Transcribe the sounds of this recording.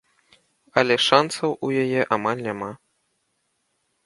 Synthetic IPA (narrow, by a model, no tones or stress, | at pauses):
ɐlʲɛʂansɐwʔujajɛʔamalʲnʲama